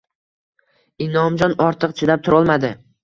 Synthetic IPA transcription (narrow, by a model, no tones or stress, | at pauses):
ɪnɒmd͡ʒɒnɒɾt̪ʰɨqt͡ʃʰɪd̪ap̚t̪ʰʊɾɒlˠmad̪ɪ